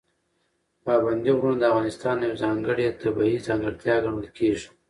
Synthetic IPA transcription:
pɑband̪iʁɾunod̪əafɣɑnɪst̪ɑːnjawzɑːŋɡəɽet̪abaizɑːŋɡəɽt̪jɑɡaɳulkeːʐi̥

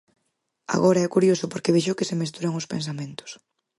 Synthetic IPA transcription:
a̰ɣoɾaɛkuɾjosʊpoɾkeβeʃokɪsemest̪uɾaŋʊspens̬amẽnt̪ʊ̥s

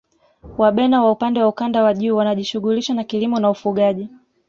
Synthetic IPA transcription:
waɓɛnawaupandɛwaukandawaʄuːwanaʄiʃuɣuliʃwanakilimɔnaufuɠaʄi

